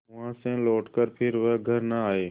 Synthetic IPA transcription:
ʊʋãːsɛ̃ːloːʈkəɾpʰɪɾʋəɡʱəɾnəaːeː

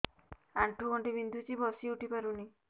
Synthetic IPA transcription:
aɳʈuɡɔɳʈibind̪ʱut͡ʃibɔsiuʈipaɾuni

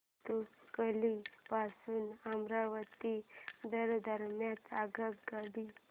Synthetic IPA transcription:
t̪ukəlipasuːnamɾaʋət̪id̪əɾd̪ʱəɾmjãt̪aɡəkɡaɽi

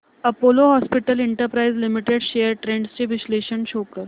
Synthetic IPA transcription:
əpoloɦɔspiʈəliɳʈəɾpɾaid͡zlimiʈeɖɕejəɾʈɾẽɳɖst͡ɕeʋisleɕəɳɕokəɾ

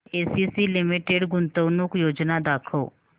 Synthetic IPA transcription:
eːsisilɪmɪʈeɖɡʊnt̪əwnukjoːd͡ʒnad̪aːkʰoː

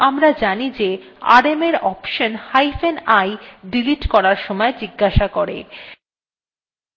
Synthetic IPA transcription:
amɾad͡ʑanid͡ʑe | a̰ɾemeɾɔpʃonhajfenajɖiliʈkɔɾaɾʃɔmɔed͡ʑiɡːaʃakoɾḛ

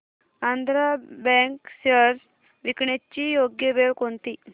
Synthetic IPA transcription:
and̪ʱɾabɛ̃ŋksəɾ | ʋikɳet͡ɕijoɡjəʋeɭkont̪i

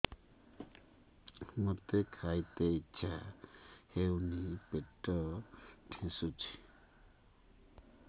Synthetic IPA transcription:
mut̪ekʰajt̪eitːʃʰa | hewnipeʈːɔʈʰɛ̃sut͡ʃʰi̥

